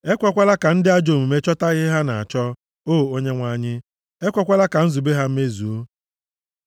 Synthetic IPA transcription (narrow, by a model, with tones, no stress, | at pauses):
e˦kʷɔ˦kʷa˦la˦ka˨n̩˦dɪ˦a˦d͡ʒo˨mu˨me˦t͡ʃɔ˦ta˦ɣɪ˦ɦa˦na˨a̰˨t͡ʃɔ˦ | oː˦˨o˦ɲe˦ŋʷa˨˦˨ɲɪ˦ | e˦kʷɔ˦kʷa˦la˦ka˨n̩˦zu˨be˦ɦa˦m̩˦me˦zu˨o˦